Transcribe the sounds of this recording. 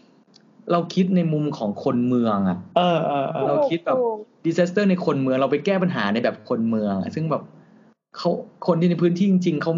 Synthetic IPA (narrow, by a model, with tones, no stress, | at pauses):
ɾa˧wkʰi˦˥t̪̚na˧jmu˧mkʰɔː˩˦ŋkʰo˧nmɯ˧əŋʔa̰˨˩ʔʔɤː˧ʔɤː˧ʔɾa˧wkʰi˦˥t̪̚bɛː˨˩p̚diː˧saː˦˥st̪ɤː˥˩na˧jkʰo˧nmɯ˧əŋɾa˧wpa˧jkɛː˥˩pa˧nɦaː˩˦na˧jbɛː˨˩p̚kʰo˧nmɯ˧əŋʔa̰˨˩sɯ˥˩ŋbɛː˨˩p̚ | kʰa˦˥wkʰo˧nt̪ʰiː˥˩na˧jpʰɯː˦˥nt̪ʰiː˥˩t͡ɕi˧ŋt͡ɕi˧ŋkʰa˦˥w